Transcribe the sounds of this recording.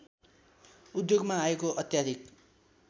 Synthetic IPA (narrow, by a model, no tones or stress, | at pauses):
ud̪joɡmaːekoʔʌt̪jad̪ʱik